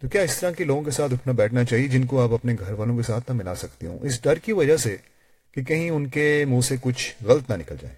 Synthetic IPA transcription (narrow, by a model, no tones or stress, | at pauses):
t̪okjaːɪst̪ɐɾãkiloːɡõkesaːt̪ʰʊʈʰnabɛːʈʰnat͡ʃaːɦied͡ʒɪnk̬oaːpɐpneɡʱɐɾʋaːlõkesaːt̪ʰnamɪla̰sɐkt̪iɦṵ̃ːʔɪs̬ɖɐɾkiʋɐd͡ʒəɦse | kikɐɦĩʊnkemũːsekʊt͡ʃʰɣɐlət̪nanɪkəld͡ʒa̰ːḛː